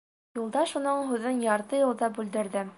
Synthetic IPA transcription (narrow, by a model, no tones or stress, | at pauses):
julˠd̪ɑʃunɤɴɦʉðɘnjɑɾt̪ɤjŭlˠd̪ɑbʉld̪ɘ̆ɾðɘ